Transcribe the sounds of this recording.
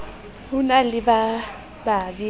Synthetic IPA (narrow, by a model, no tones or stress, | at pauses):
hunalɪba | babi